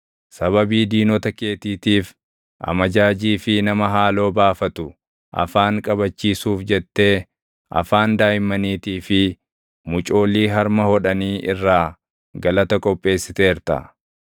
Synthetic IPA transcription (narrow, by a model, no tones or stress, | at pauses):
sɐβɐbiːd̪iːnɔt̪ɐke̞ːt̪iːt̪iːf | ʔɐ̰mɐd͡ʒaːd͡ʒiːfɪnɐmɐɦaːlo̞ːbaːfɐt̪ʊ | ʔɐ̰faːŋkʼɐβɐt͡ʃːiːsuːfd͡ʒɛt̪ːe̞ː | ʔɐ̰faːnd̪aːjɪmːɐniːt̪iːfɪ | mʊt͡ʃʼo̞ːlːiːɦɐɾmɐhɔᶑɐniːʔɪrːaː | ɡɐlɐt̪ɐkʼɔpʼːe̞ːsːɪt̪e̞ːɾt̪ɐ̰